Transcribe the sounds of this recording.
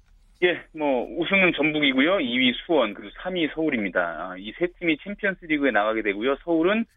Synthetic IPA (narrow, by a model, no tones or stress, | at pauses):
je̞mwʌusʰɯŋunt͡ɕʌmbuɡiɡujoiɥisʰuwʌnkɯosʰamisʰʌuɾimɲida̰a̰isʰe̞tʰimit͡ɕʰempʰjʌns͈ɯɾiɡɯenaɣaɡe̞dwe̞ɡujosʰʌuɾɯn